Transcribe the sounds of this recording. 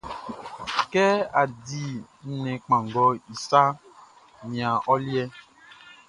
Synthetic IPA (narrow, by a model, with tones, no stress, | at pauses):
kɛ˦a˨di˨ | n̩˨nɛ̃˨k͡pã˨ŋ˨ɡɔ˨i˨sa˦ | ɲĩ˨ã˨ʔɔ˦li˦ɛ˦